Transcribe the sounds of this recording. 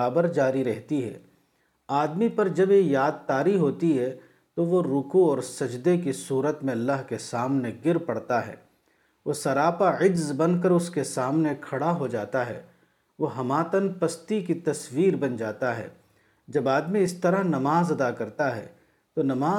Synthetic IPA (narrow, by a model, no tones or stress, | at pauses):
aːbəɾd͡ʒaːɾiɾɛɦt̪iɦɛ̰ː | aːd̪mipɐɾd͡ʒɐbjejaːd̪̚t̪aːɾiɦoːt̪iɦɛ | t̪oʋoɾʊkuɔːɾsɐd͡ʒd̪ekisuːɾət̪mẽɐlːaɦkesaːmneɡɪɾpɐɽt̪aɦɛ̰ː | ʋosɐɾaːpaɪd͡ʒzbɐnk̬əɾʊskesaːmnekʰɐɽaɦod͡ʒaːt̪aɦɛ̰ː | ʋoɦɐmaːt̪ənpɐst̪ikit̪ɐswiːɾbɐnd͡ʒaːt̪aɦɛ̰ː | d͡ʒɐbaːd̪miɪst̪ɐɾəɦnɐmaːzɐd̪akɐɾt̪aɦɛ̰ː | t̪onɐmaː